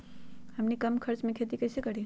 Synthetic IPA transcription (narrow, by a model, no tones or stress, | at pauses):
həmnikɐmkʰəɾt͡ʃmẽkʰet̪̬ikɐjsekəɽi